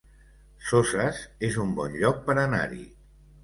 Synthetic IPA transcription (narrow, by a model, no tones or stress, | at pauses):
sozəzezumbɔnʎɔk̚pəɾəna̰ɾḭ